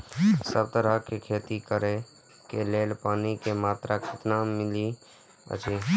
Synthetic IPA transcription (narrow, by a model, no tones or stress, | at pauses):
səb̚t̪əɾəɦkekʰeːt̪ikəɾe | keleːlpaːnikemaːt̪ɾʔakʰɪt̪namɪli | ə̰t͡ʃi